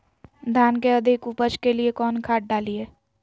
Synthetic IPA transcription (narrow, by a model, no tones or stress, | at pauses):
d̪ʱjaːnkeəd̪ʱɪkupət͡ʃkeliekɔːnkʰaːʈ̚ɖaːlieː